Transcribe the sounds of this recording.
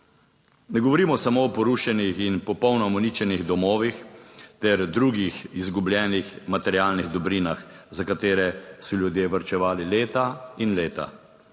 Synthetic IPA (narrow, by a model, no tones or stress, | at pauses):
nɛɡɔʋɔɾiːmɔsamoɔpɔɾuːʃɛnixinpɔpɔwnɔmɔnit͡ʃɛniɣd̪ɔmoːʋixt̪ɛɾd̪ɾuːɡixizɡublʲjɛːnixmat̪ɛɾjaːlniɣd̪ɔbɾiːnax | zakat̪eːɾɛsɔljud̪jeːʋəɾt͡ʃɛʋaːlileːt̪ainleːt̪a̰